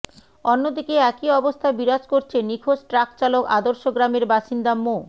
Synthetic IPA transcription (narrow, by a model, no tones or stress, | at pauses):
onːod̪ikeɛkiɔbost̪ʰabiɾad͡ʑkoɾt͡ɕʰenikʰoʃʈɾakt͡ɕaloka̰d̪oɾʃoɡɾameɾbaʃind̪amo